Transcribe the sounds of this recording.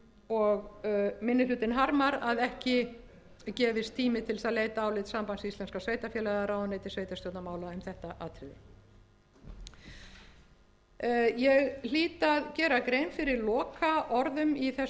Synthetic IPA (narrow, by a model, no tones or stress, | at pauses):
ɔɣmɪnːɪlʏːt̪ɪnɦaɾmaɾaðɛhcɪ | cɛːvɪst̪ʰiːmɪt̪ʰɪlsaðleːjt̪aːwlɪːt̪sampansist̪ɛnskasveːjt̪afjɛːlaðaɾaːwðnːeːjt̪ɪsveːjt̪ast̪ɔwt̪namaːwlaɛmθɛht̪aʔaːt̪ʰɾɪðɪ̰ | jɛɣl̥iːt̪aðcɛːɾakɾeːjmfɪɾɪɾlɔːkaʔɔɾðʏmiθɛ